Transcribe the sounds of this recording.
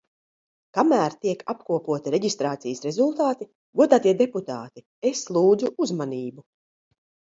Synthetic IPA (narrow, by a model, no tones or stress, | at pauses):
kamæːɾt̪iɛkapkuɔpuɔt̪iɾeɟist̪ɾaːt̪sijəsɾezulˠt̪aːt̪i | ɡuɔd̪aːt̪iɛd̪eput̪aːt̪i | eslˠuːd̪zuʔuzmaniːbu